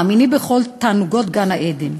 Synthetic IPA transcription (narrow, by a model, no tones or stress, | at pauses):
minibeχolt̪aːnuɡot̪ɡanaʔed̪em